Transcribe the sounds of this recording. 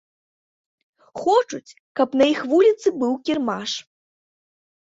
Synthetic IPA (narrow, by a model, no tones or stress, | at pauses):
xɔt͡ʂut͡sʲ | kɐpnɐjixvulʲit̪sɨbɨwkʲirmaʂ